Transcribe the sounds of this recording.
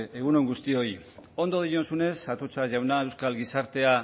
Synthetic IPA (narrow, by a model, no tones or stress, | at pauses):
e̞ɣ̞unoŋɡust̪io̞jo̞nd̪o̞ð̞ijo̞nsune̞sat̪ot͡saʝawnae̞wskalɣisaɾt̪e̞a